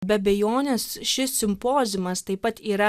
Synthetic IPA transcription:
bʲɛɐbʲɛjoːnʲesʃʲɪssʲɪmpoːzʲɪmɐst̪ɐɪpɐt̪iːɾɐ

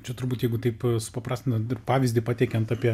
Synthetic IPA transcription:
t͡ʃʲɛt̪ʊɾbuːt̪jɛɪɡʊt̪ɐɪpsʊ̥pɐpɾɑːsʲt̪ʲɪnt̪ɐɪpɑːʋʲizʲdʲɪpɑːt̪ʲɛkʲɛnt̪ɑːpʲiɛ

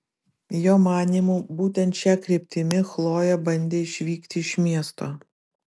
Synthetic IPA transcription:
joːmɑːnʲiːmuːbuːt̪ʲɛnt̪t͡ʃʲɛkɾʲeːpʲt̪ʲɪmʲɪxlˠoːjɛbɐnʲd̪ʲeːɪʃʲʋʲiːkt̪ʲɪɪʃʲmʲiɛst̪oː

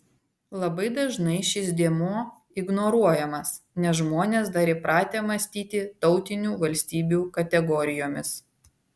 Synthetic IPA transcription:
lˠɐbɐɪd̪ɐʒnɐɪʃʲɪsd̪ʲeɛmuː | ɪɡnoːɾuɔjɛmɐs | nʲɛs̬ʒmoːnʲeːsd̪ɐɾɪpɾɑːt̪ʲeːmɐsʲt̪ʲiːt̪ʲɪt̪ɒʊt̪ʲɪnʲuːʋɐlʲsʲt̪ʲiːbʲuːkɐt̪ʲɛɡɔɾʲɪjoːmʲɪs

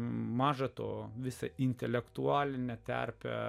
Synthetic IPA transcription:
mɑːʒɐt̪o̰ːʋʲɪsɐɪnʲt̪ʲɛlʲɛkt̪ʊɑːlʲɪnʲɛt̪ʲæ̰ɾʲpʲɛ̰

